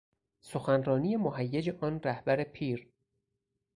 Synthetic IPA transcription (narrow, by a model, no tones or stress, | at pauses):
soxænrɒːnije̞moɦæjːed͡ʒeʔɒːnræhbæɾepʰiːɾ